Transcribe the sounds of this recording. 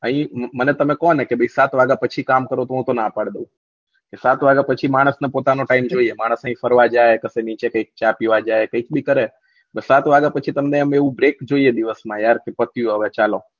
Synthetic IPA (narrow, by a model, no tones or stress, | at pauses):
əɦĩmənet̪əmekɔnekebʱəisat̪ʋaɡãpət͡ʃʰikamkəɾõt̪oɦũt̪onapəɽd̪eũ | kesat̪ʋaɡãpət͡ʃʰimaɽ̃əsnepot̪anoʈaimd͡ʒoiemaɽ̃əsə̃ɦĩfəɾʋad͡ʒajkəsenit͡ʃekəik̚t͡ʃapiʋad͡ʒajkəik̚bikəɾe | bəsat̪ʋaɡapət͡ʃʰit̪əmneəmeeʋũbɾekd͡ʒoied̪iʋəsmãjaɾkepət̪jũɦəʋet͡ʃalõ